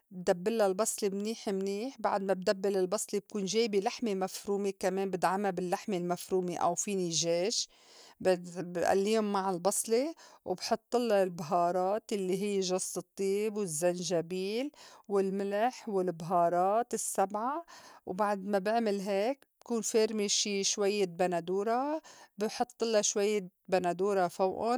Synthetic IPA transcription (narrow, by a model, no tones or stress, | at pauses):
bd̪abːɪlːalbɑsˤlimniːħɪmniːħbaʕd̪mab̚d̪abːɪlɪlbɑsˤlib̚kuːnʒeːjbilaħmemafɾuːmekameːmbɪd̪ʕamabɪlːaħmelmafɾuːmeʔa̰wfinɪʒeːʃ | bɪbɪʔa̰lːiːhʊmːaʕɪlbɑsˤliwbħʊt̪ˤːɨlːɑlbɦɑːɾˤɑːt̪jalːiɦɪjːʒɑsˤːɨt̪ˤːiːbwɪzːanʒabiːlwɪlmɪlaħwɪlbɦɑːɾˤɑːt̪ɪsːabʕawbaʕd̪mabɪʕmɪlɦeːkb̚kuːnfeːɾmiʃiʃwajːebanad̪uːɾˤɑbɪħʊt̪ˤːɨlɑʃwajːebanad̪uːɾˤɑfawʔʊ